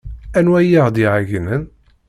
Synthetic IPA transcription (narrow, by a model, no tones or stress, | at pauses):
ænwæjiʁd̪iʕaʝnən